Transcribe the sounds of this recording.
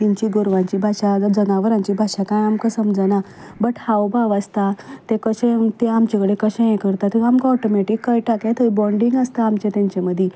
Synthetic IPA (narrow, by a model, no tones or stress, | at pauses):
t̪iɲt͡ɕiɡoɾʋãɲt͡ɕiːbʱaʂad͡zənaʋəɾãɲt͡ɕiːbʱaʂakãjamkasəmd͡zana | bəʈhawbaʋast̪at̪ekəɕẽt̪eamt͡ɕakəɽekəɕẽẽkəɾt̪at̪əamkaɔʈomeʈikːajʈaket̪əibɔɳɖiŋɡəst̪aːmt͡ɕẽt̪jãɲt͡ɕaməd̪ʱji